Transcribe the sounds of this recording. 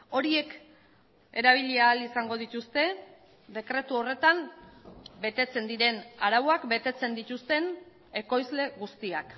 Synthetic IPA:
o̞ɾie̞k | e̞ɾaβ̞iʎeaːlisaŋɡo̞ð̞it̪ust̪e̞ | d̪e̞kɾe̞t̪uo̞re̞t̪am | be̞t̪e̞t͡se̞nd̪iɾe̞naɾaβoakbe̞t̪e̞t͡se̞nd̪it̪ust̪e̞n | e̞ko̞jzle̞ɣust̪iak

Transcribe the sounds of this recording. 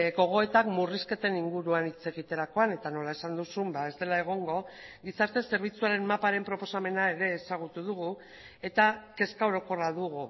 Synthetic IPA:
ɡo̞ɣ̞o̞e̞t̪akmuriske̞t̪e̞niŋɡuɾuanit͡se̞ɣit̪e̞ɾako̞ane̞t̪ano̞lae̞sand̪usumbae̞zd̪e̞lae̞ɣ̞o̞ŋɡo̞ɣisaɾt̪e̞se̞ɾβ̞it͡suaɾe̞mmapaɾe̞mpɾo̞po̞same̞nae̞ɾe̞ːsaɣ̞ut̪uð̞uɣu | e̞t̪ake̞skaoɾo̞ko̞raðuɣu

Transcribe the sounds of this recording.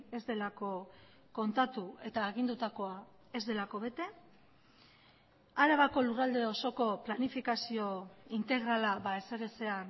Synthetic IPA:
e̞zd̪e̞lako̞ | ko̞nt̪at̪ue̞t̪aːɣ̞ind̪ut̪ako̞a | e̞zðe̞lako̞βe̞t̪e̞ | aɾaβako̞lurald̪e̞o̞so̞ko̞planifikasio̞int̪e̞ɣɾalaβaese̞ɣet͡se̞an

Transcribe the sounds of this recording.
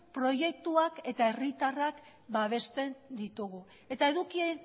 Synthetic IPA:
pɾo̞je̞k̚t̪uake̞t̪ae̞rit̪arak | baβ̞e̞st̪e̞nd̪it̪uɣu | e̞t̪ae̞ðukien

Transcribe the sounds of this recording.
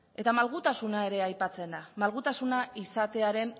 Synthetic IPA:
e̞t̪amalɣut̪asunae̞ɾe̞ajpat͡se̞nd̪amalɣut̪asunaisat̪e̞aɾe̞n

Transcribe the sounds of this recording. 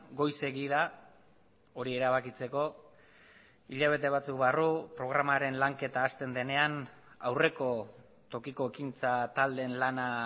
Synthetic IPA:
ɡo̞jse̞ɣiða | o̞ɾie̞ɾaβakit͡se̞ko̞ | iʎaβ̞e̞t̪e̞β̞at͡sukβarupɾo̞ɣ̞ɾamaɾe̞nlaŋke̞t̪aːst̪e̞nd̪e̞ne̞an | a̰wre̞ko̞ | t̪o̞kiko̞ekint͡sat̪ald̪e̞nlana

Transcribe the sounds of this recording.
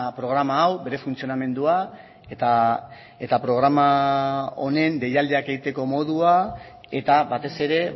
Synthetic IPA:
pɾo̞ɣɾamaːwbe̞ɾe̞funt͡sio̞name̞nd̪ua | t̪a | et̪apɾo̞ɣ̞ɾama | one̞nde̞jald̪eake̞ɣit̪e̞ko̞mo̞ðua | e̞t̪aβat̪e̞se̞ɾe̞

